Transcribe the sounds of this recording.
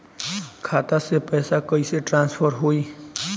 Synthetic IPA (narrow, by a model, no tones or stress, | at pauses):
kʰaːt̪asepəjsakəiseʈɾãnspʰəɾɦoi